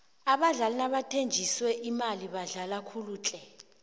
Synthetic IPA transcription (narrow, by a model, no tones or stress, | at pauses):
aɓaɮalinaɓatʰend͡ʒʱiswɛʔimaliɓaɮalakʰuluːt͡ɬʼɛ